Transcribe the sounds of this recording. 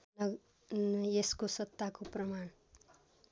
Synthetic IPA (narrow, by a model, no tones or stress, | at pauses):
n | eskosʌt̪ːakoprʌmaɳ